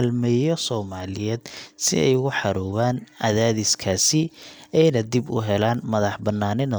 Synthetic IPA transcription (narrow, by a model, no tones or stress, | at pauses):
lmɛjɔsɔːmaːlɪjɛːd̪sɪ̰ɛ̰jɣʊħɑɾɔːβaːnɐðaːðɪskʰaːsɪɛjnɐd̪ibʊ̰ɦɛlaːnmɐðɑħbɐnːaːnɪn